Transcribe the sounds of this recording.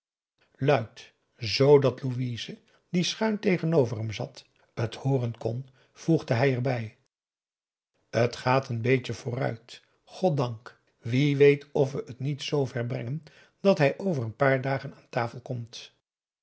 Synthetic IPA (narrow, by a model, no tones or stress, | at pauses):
lœɥt | zowdɑtluʋiːzə | disχœɥntejχənowvərɦəmzɑt | əthoːrənkɔn | v̥uχdəɦɛjɛɹbɛj | ətχaːtənbejcəv̥ʊːrœ̰ɥt | χɔt̚dɑŋk | ʋiʋejtɔfʋəʔətnitsowvɛɹbrɛŋən | d̥ɑtɦɛjʔowvərənpaːɹdaːχənaːntaːfəlˠkɔmt